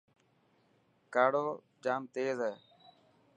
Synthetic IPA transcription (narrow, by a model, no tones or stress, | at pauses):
kaːɽoː | d͡ʒaːmt̪eːzɛː